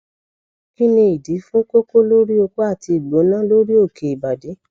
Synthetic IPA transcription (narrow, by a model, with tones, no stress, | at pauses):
ki˦nĩ˧i˨di˨˦fũ˦ko˦ko˦lo˦ɾi˦o˧k͡po˦a˦˨ti˧i˨ɡ͡bo˨˦nã˦lo˦ɾi˦o˦˨kʰe˨i˨ba˨de˨˦